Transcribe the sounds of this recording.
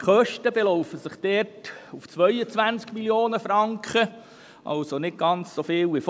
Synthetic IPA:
χœʃtəbelɔʊfəsəχd̥ɛːrtuft͡sʋœjət͡sʋænt͡skmiljoːnəfɾɑŋkχə | ʔɑ̰lsonɪt̚ɡ̥ɑnt͡ssofɪːlʋif

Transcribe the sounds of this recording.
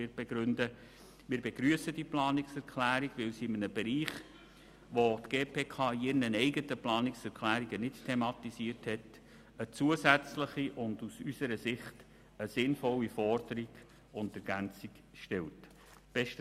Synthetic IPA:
ɪɾb̥ɛɡɾʏndə | mɪːɾbɛɡ̥ɾyəsəd̥iplɑːnɪksɛɾkʰlæːɾiɡ̥ʋɪlsiɪmənəbɛɾiːχ | ʋotɡ̥eːpʰeːkʰɑːɪrnənɛɪɡətəplɑːnɪksɛɾklæːɾiɡənɪttʰːemɑtisiəɾthɛt | ət͡suəzæt͡sləχiʔʊndusysəɾəsɪχt | əsɪnfɔlːifɔrd̥əɾiɡ̥ | ʊndɛɾɡænt͡siɡ̥ | ʃtɛlt | b̥ɛʃt

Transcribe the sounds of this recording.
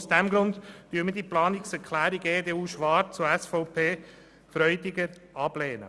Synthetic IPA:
usd̥ɛmɡɾʊndtyːmədiəplɑːnɪksɛɾkχlæːɾiɡeːdeːuːʃʋɑːt͡sʊɛsfɔʊpʰeː | fɾœʏdɪɡəɾ | ʔɑb̥leːnə̰

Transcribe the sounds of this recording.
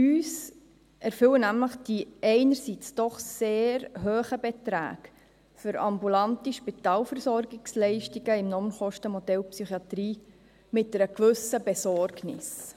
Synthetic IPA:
yːs | ɛɾfʏlənæmləχd̥iɛɪnəɾsit͡sd̥ɔχseːɾɦøːχəbɛt̪ɾæ̰ːɡ̥ | fʏɾɑ̰mbulɑntiʃpitɑːlfɛɾsɔɾɡɪkslɛɪʃtiɡəɪmnɔmənχɔʃtəmɔdɛlpsyχiɑt̪ɾiː | mɪt̚ːəɾəkʋʏsəbɛsɔɾɡnɪ̰s

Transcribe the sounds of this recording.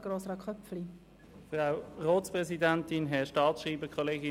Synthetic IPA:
ɡ̥ɾoːsɾɑkχœpfli | fʁawʁoːtspʁɛsidantɪnɦɛʃtɑːtsʃʁiːbəkʰɔleːɡɪ

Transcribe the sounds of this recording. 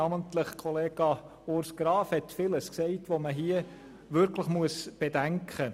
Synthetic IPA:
ɑməntləχkʰɔleːɡ̥ɑ | oɾsɡ̥ɾɑːfhɛtfɪləsksɛɪtʋoməɦiə | ʋʏɾkʰləχmuəsb̥ed̥æŋkʰχə

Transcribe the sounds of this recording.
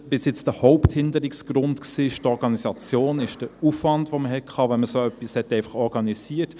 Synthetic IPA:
b̥ɪsjɪt͡sd̥əhoʊpthɪndəɾɪksɡ̥ɾʊntksiːɪʃtɔɾɡɑnisɑt͡sjoːnɪʃd̥əufvɑndʋoməhɛt̚kʰχɑːvɛnməsoœpːishɛtːɛɪfɑ̥χɔɾɡɑnisiːət

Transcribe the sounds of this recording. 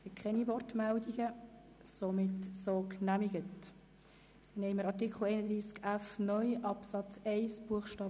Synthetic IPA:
sɪtkʰχɛnivɔrtmældiɡə | somɪtsoːknæmiɡət | d̥ɛnɛɪməɾɑɾtikχl̩ɛɪnəd̪ɾiːskæfnœʏʔɑpsɑt͡sɛɪsb̥uəχʃtɑː

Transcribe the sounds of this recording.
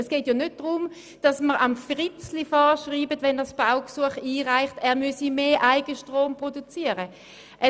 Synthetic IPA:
ɛsɡ̥eːtjanøt̚d̥ʁʊm | d̥ɑsməʁɑmfʁɪt͡slifɔːʃʁiːbətvɛnɛsb̥aʊksuəχiːʁaɪχtɛːɐmysimeːʔaɪɡəʃtʁoːmpʁodut͡siːəʁə | ʔɛ

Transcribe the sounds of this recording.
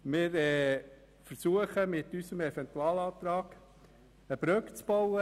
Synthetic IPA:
mɪɾɛ | fəɾsuəχəmɪt̪ysəmɛfɛnt̪uɑːlɑːt̪ɾɑːɡ̥ | əb̥ɾœkt͡sb̥ɔwə

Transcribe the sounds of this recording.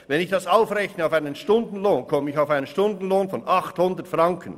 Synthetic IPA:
vɛnɪçd̥ɑsaʊfrɛçnəaʊfaɪnənʃtʊndn̩loːnkʰɔməɪçaʊfaɪnənʃtʊndn̩loːnfɔnʔɑχthʊndətfraŋkʰən

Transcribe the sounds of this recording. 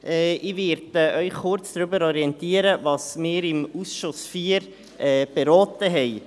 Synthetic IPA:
ʔɛɪʋɪɾdəœʏχχʊɾt͡sd̥ɾybəɾɔɾiɛntiəɾəvɑːsmɪːɾɪmusʃʊsfiːəɾ | ɛːb̥ɛɾɔːtəɦɛɪ

